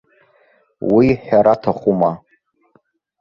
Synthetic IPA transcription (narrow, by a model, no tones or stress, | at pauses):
wiħaɾatʰaχuma